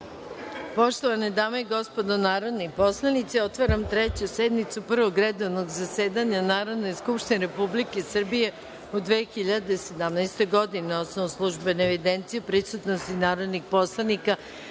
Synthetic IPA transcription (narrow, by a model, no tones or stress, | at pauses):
po̞ʃt̪oʋaned̪aːmoiɡo̞spo̞d̪onaːɾo̞d̪nipo̞slˠanit̪seo̞t̪ʋaɾamt̪ɾet͡ɕused̪mit̪supr̩ʋoɡɾed̪oʋnoɡzaseːd̪aɲanaːɾo̞d̪ne̞skupʃt̪ineɾe̞publikesr̩bije̞ | ud̪ʋeːxiʎad̪ese̞d̪amnajst̪eɡo̞d̪ineo̞snoʋuslˠuʒbeneːʋid̪ent̪sijupɾisut̪nost̪inaːɾo̞d̪nixpo̞slˠanika